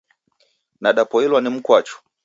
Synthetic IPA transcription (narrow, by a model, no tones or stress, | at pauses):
naɗapɔilwanim̩kwat͡ʃɔ̥